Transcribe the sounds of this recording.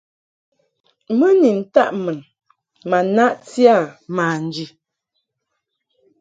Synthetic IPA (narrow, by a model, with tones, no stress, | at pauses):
mə˦ni˨n̩˨ta˦ʔmə˨n | ma˨na˦ʔti˦a˦˨maː˨n̩˨d͡ʒi˨